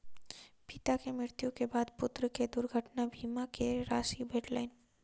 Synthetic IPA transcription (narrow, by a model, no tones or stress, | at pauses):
pɪt̪akemɾɪɾt̪jukebaːd̪pʊt̪ɾəked̪ʊɾɡʱəʈnabʱiːmakeɾaːsibʱeːʈlaːɪn